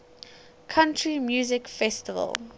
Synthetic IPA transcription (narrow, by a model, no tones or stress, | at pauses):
kʰãntʰɹimjuːzɪkfɛstɪvə̰lˠ